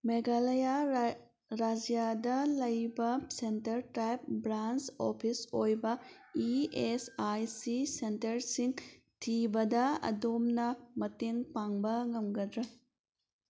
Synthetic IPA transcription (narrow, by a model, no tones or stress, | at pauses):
meɡalɐja | ɾad͡ʒijadɐlɐjbɐsentɐɾtɾajp̚bɾant͡ʃopʰisojbɐ | iesajsisentɐɾsiŋ | tʰibɐdɐɐ̰domnɐmɐteŋpaŋbɐŋɐmɡɐdɾɐ